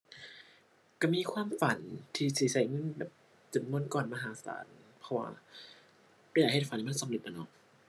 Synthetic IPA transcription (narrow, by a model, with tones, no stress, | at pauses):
ka˧˩miː˧˥˨kʰwaː˧˨mfa˩˦nt̪ʰiː˧˩siː˨˩˦sa˨˩˦jŋɤ˧˥˨nbɛː˨˩p̚ | t͡ɕo˨˩˦nmo˧˥˨nkɔː˨˩nma˧ɦaː˨˦sa̰ː˨˩˦npʰɔ˧wa̰ː˧˩ | ka˧˩jaː˨˩khe˨˩fa˦nːiː˧˩a˥˨nsa˨˦mle˨˩t̪ʔa˧˩˨nɔ˧˥˩